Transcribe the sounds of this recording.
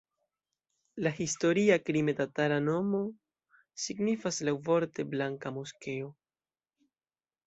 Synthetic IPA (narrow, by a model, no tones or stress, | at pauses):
lahisto̞ɾiakɾimetatalano̞mo̞ | siɡnifaslawvo̞ɾte̞blaŋkamoske̞o